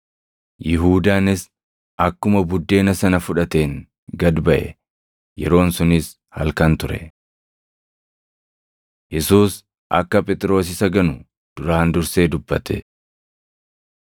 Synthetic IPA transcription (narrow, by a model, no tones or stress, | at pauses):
jɪɦuːd̪aːnɪs | ʔɐkːʊmɐbʊd̪ːe̞ːnɐsɐnɐfʊᶑɐt̪e̞ːŋ | ɡɐd̪bɐʔɛ̰ | jɛɾo̞ːnsʊnɪs | hɐ̰lkɐnt̪ʊɾɛ̰ | jɛsuːs | ʔɐ̰kːɐpʼɛt̪ʼɾo̞ːs̬ɪsɐɡɐnʊ | d̪̥ʊɾaːnd̪ʊɾse̞ːd̪ʊbːɐt̪ɛ̰